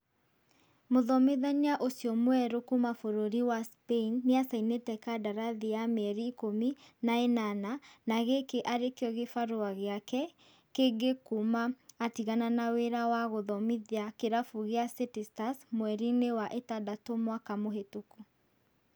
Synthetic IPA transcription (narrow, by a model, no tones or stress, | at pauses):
moðɔmeðaɲaʔosiɔmwɛɾokumafoɾoɾiwaspeinːeasainetɛkadaɾaðiamɛɾiːkominaenananaɣekeʔaɾekeɔɣefaɾoaɣeakɛ | keɡekumaːtiɣananaweɾawaɣoðɔmiðiakeɾafoɣeasetistasmwɛɾinewaʔetadatomwakamoɦetoko